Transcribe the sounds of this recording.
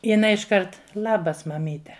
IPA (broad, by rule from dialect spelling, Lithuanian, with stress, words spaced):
jɪˈnɐɪ ɪʃˈkɐrt ˈlˠɑːbɐs mɐˈmʲiːtʲɛ